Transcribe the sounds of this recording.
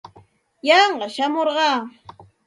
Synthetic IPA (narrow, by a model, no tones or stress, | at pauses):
jɑɴɢɑʃamoɾɢɑː